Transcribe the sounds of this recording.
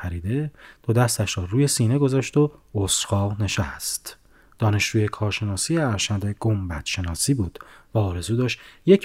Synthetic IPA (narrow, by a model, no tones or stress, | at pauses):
æɾiːd̪e̞d̪̥od̪æst̪æʃɾɒːɾuːje̞siːne̞ɡo̞zɒːʃt̪o̞osxɒːne̞ʃæst̪ | d̪̥ɒːne̞ʃd͡ʒuːje̞kʰɒːɾʃe̞nɒːsijeæɾʃæd̪e̞ɡ̥ombæt̪ʃe̞nɒːsiːbuːd̪̥væɒːɾe̞zuːd̪ɒːʃt̪je̞cʰ